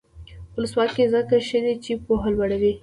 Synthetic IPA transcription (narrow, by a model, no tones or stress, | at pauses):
ʊləswɑkezəkaʃəd̪et͡ʃipoɦalwaɽawi